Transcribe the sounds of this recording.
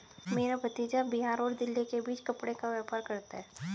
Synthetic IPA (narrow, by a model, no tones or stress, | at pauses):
meːɾabɐt̪iːd͡ʒabiɦaːɾɔːɾd̪ɪlːikebiːt͡ʃkɐpɽekaʋɛːpaːɾkɐɾt̪aɦɛː